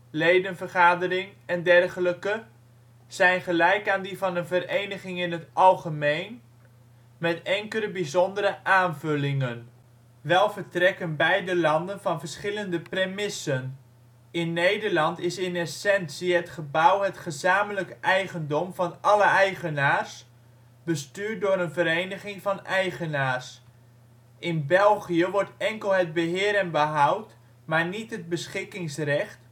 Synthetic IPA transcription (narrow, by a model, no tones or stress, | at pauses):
lejdənvəɹχaːdəɾɪŋɛndɛrχələkə | z̥ɛjnχəlɛjkaːndivɑnənvəɾejnəχɪŋɪnɦətɑlˠχəmejn | mɛtɛŋkələbizɔndəɾəʔaːnvɵlɪŋən | ʋɛlˠvəɹtrɛkənbɛjdəlɑndənvɑnvəɹsχɪləndəpremɪsən | ɪnːejdəɹlɑntɪsɪnɛsɛnsiɦətχəbawɦətχəzaːmələkʔɛjχəndɔmvɑnɑləɛjχənaːrs | b̥əstyːɹt̚dʊːɾənvəɾejnəχɪŋvɑnɛjχənaːrs | ʔɪnbɛlˠχiəʋɔɹtɛŋkəlˠɦəd̚bəɦɪːəɾənbəɦawt | maːɹnitɦəd̚bəsχɪkɪŋsrɛχt